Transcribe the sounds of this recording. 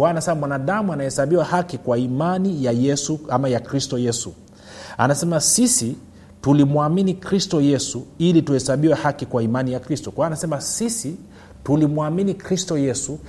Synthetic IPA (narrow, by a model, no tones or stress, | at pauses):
kwanasɛamwanaɗamuanahɛsaɓiwahakikwaimanijajɛsuamajakɾistɔjɛsṵ | a̰nasɛmasisi | tulimuaminikɾistɔjɛsuilituhɛsaɓiwɛhakikwaimanijakɾistɔkwaanasɛmasisi | tulimwaminikɾistɔjɛsu